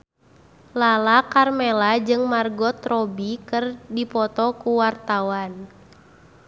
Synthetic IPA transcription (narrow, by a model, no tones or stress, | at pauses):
lalakarmɛlad͡ʒɨŋmarɡɔt̪rɔbikɨrdipɔt̪ɔkuwart̪awan